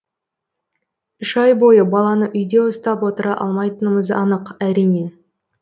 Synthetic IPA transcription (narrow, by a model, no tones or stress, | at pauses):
ʏʃɑjbo̞jəbɑlˠɑnəʔʏjd̪e̞ʊst̪ɑpwo̞t̪əɾɑʔɑ̰lˠmɑjt̪ənəməzɑ̰nəqæɾijne̞